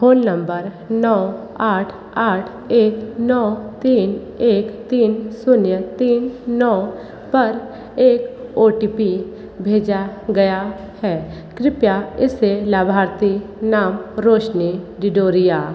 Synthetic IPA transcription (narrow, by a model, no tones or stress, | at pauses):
poːnːə̃mbəɾ | nɔː | aːʈʰ | aːʈʰ | eːknɔːt̪iːn | eːkt̪iːnsʊnjət̪iːnːɔː | pɐɾ | eːkoːʈipi | bʱeːd͡ʒaɡɐja | hɛː | kɾɪpjaɪselaːbʱaːɾt̪inaːmɾoːʃniɖɪɖoːɾɪjaː